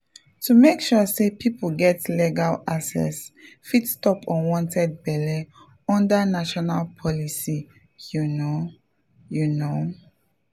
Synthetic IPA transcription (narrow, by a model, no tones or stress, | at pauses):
tumekʃusepʰiplɡɛtlɛɡalasɛ̰s | fitstɔpʰɔ̃nwɔ̃ntʰɛd̚bɛlɛ | ɔ̃ndanaʃɔnalpʰɔlisi | juno | juno